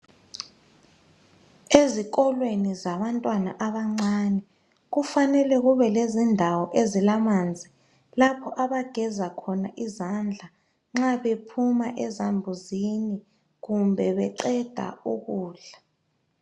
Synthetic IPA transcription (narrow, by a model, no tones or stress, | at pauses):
ezik̬ʼɔlwenizaβantʼwana̰ʔaβaŋ͡ǀanɛ | ɣufanɛlɛɣuβɛlezindʱawɔʔezilamand͡zʱi | lapʰɔʔaβaɡ̥ʱɛzakʰɔnaʔizand͡ɮʱa | ŋ͡ǁaβepʰumaʔɛzambʱuzini | ɣumbʱɛβɛǃɛd̥ʱa̰uɣuːɮa